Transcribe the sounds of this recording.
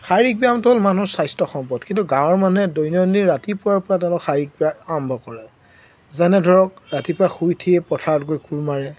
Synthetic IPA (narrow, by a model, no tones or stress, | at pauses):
xaɹik̚biamtʊɦolmanusajstɔxɔmpɔtkintuɡãwɔɹmanuɛdojnɔniɹatipʊaɹpɔɹatɛ̃xaɹik̚biaambʱɔkɔɹɛ | zanɛdʱɔɹɔk̚ɹatipʊaxujtʰiɛpɔtʰaɹɔtkojkuɹmaɹɛ